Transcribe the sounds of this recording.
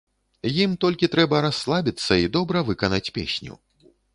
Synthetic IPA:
jimt̪ɔlʲkʲit̪ɾɛbɐɾasːlˠabʲit̪sːɐid̪ɔbɾɐvɨkɐnat͡sʲpʲḛsʲnʲṵ

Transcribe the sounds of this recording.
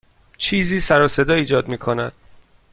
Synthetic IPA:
t͡ʃʰiːziːsæɾɒːse̞d̪ɒːiːd͡ʒɒːd̪miːkʰo̞næd̪̥

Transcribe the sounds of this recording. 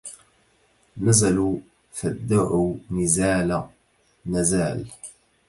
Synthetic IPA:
nazalu | fad̪ːaʕunɪzaːla | nazaːl

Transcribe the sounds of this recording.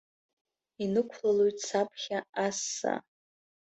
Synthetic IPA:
inɨkʷʰlalojtʼsapʰχʲaasːa̰

